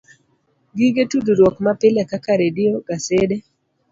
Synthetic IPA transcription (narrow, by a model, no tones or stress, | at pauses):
ɡiɡetududwɔkmapɪlɛkakaɾedɪɔɡasede